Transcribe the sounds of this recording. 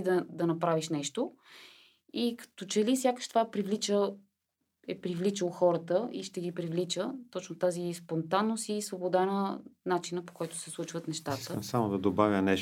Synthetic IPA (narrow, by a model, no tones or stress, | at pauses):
d̪ɐd̪ɐnɐpɾaviʃnɛʃt̪o | ikɐ̥t̪ot͡ʃɛlifsʲjakə̥ʃt̪ovapɾivlit͡ʃə | ɛpɾivlit͡ʃəlˠxɔɾət̪əiʃt̪ɛɡipɾivlit͡ʃət̪ɔt͡ʃnot̪azispont̪anːosisvobod̪anənat͡ʃinəpo̥kɔjt̪ʊ̥sɛslˠut͡ʃvət̪nɛʃt̪at̪əsamod̪ɐd̪obavʲjənɛʃ